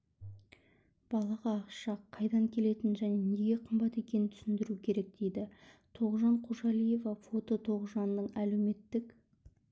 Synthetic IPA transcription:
b̥ɑlˠɑʁɑːqʃɑqʰːɑjd̪ɑŋkʲʰe̞le̞t̪ɪnʒæne̞ne̞ɡʲe̞qʰəmbɑt̪e̞kʲe̞nɪnt̪ʰʏ̥sɪnd̪ɪɾukʲʰe̞ɾe̞k̚d̪̥e̞jd̪ɪt̪ʰo̞ʁʒɑɴqʰoʒɑlˠije̞vɑfo̞t̪ot̪ʰo̞ʁəʒɑnːəɴæle̞wme̞t̪ːɪk

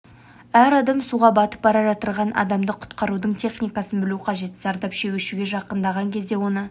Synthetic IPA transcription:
æɾɑd̪ɑmsuʁɑbɑt̪ə̥p̚bɑɾɑʒɑt̪əɾʁɑnʔɑ̰d̪ɑmd̪əqʰʊ̥t̪qɑɾud̪əɴt̪ʰe̞χnijkɑsənbɪluqʰɑʒe̞t̪z̥ɑɾd̪ɑpʃewʲɪʃɪɡʲe̞ʒɑqənd̪ɑʁɑŋkʲʰe̞zd̪e̞wo̞nə

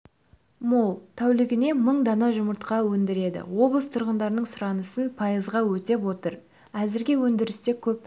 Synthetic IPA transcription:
molˠt̪ʰæwlɪɡʲɪne̞məɴd̪ɑnɑʒʊməɾt̪qɑwɵnd̪ɪɾe̞d̪ɪ̰wo̞blˠəst̪ʰʊɾʁənd̪ɑɾənəɴsʊɾɑnəsənpʰɑjəzʁɑwɵt̪e̞pwo̞t̪əɾ | æzɪɾɡʲe̞wɵnd̪ɪɾɪst̪e̞kʲʰɵp̚

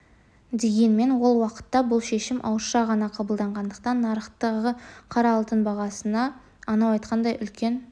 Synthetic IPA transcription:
d̪e̞ɡʲe̞nme̞nwo̞lˠwɑqə̥t̪ːɑbʊlˠʃe̞ʃɪmʔɑ̰wəɾʃɑʁɑnɑqʰɑbəlˠd̪ɑɴʁɑnd̪əqt̪ɑnːɑɾəχt̪əʁəqʰɑɾɑlˠt̪ənbɑʁɑsənɑː | nɑwɑjt̪qʰɑnd̪ɑjʔʏlkʲʰe̞n

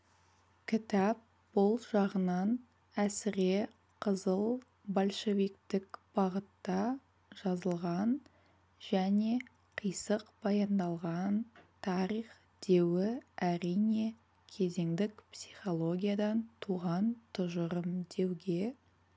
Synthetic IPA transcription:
kʲʰɪt̪ɑp̚ | b̥ʊlˠʒɑʁənɑn | æsɪɾe | qʰəzəlˠ | bolʲʃe̞vikt̪ɪkb̥ɑʁət̪ːɑ | ʒ̥ɑzəlˠʁɑn | ʒ̥æne̞ | qʰijsəqb̥ɑjɑnd̪ɑlˠʁɑnt̪ʰɑɾiχ | d̪̥e̞wɪæɾijne̞ | kʲʰe̞ze̞ŋd̪ɪkpsijχo̞lˠo̞ɡʲijad̪ɑnt̪ʰuʁɑnt̪ʰʊʒəɾəmd̪e̞wɡʲe

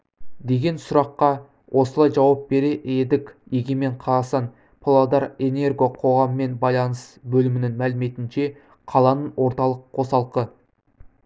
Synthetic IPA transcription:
d̪e̞ɡʲe̞nsʊɾɑqːɑ | wʔo̞səlˠɑjʒɑwɑp̚be̞ɾe̞ʔe̞d̪ɪkʲeɡʲeme̞ɴqʰɑɾɑsɑn | pʰlˠɑd̪ɑɾe̞ne̞rɡo̞qʰo̞ʁɑməːe̞nbɑjlˠɑnəsbɵlɪmɪnɪŋmælɪme̞t̪ɪnʃe̞ | qʰɑlˠɑnəɴwo̞ɾt̪ɑlˠəqʰːo̞sɑlˠqə

